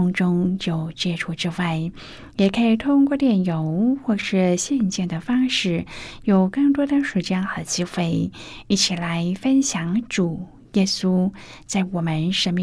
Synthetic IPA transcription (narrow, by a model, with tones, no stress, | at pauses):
ŋʈ͡ʂʊ˥ŋt͡ɕjo˥˩ʊt͡ɕjɛ˥ʈ͡ʂʰu˥˩ʈ͡ʂɻ̩˥wa˥˩ɪ | jɛ˨˩kʰə˧˥i˨˩t̪ʰʊ˥ŋkwɔ˥˧t̪jɛ˥˩njo˧˥ʊxwɔ˥˧ʂɻ̩˥˧ɕjɛ˥˧nt͡ɕjɛ˥˩nd̪ə˩fɑ˥ŋʂɻ̩˥˩jo˨˩ʊkɤ˥˩ŋt̪wɔ˥d̪ə˨˧ʂu˧˩t͡ɕjɑ˥ŋxɤ˧˩˥t͡ɕi˥xwe˥˩ɪi˥˩t͡ɕʰi˨˩la˧˥ɪfə˥nɕjɑ˧˥ŋʈ͡ʂu˨˩˦ | jɛ˥su˥ | t͡sa˥˩ɪwɔ˨˩mə˦nʂə˧˥nmi˥˧